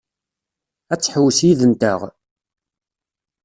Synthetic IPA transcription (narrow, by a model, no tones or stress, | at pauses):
æt͡sːħəwːsjiðənt̪əʁ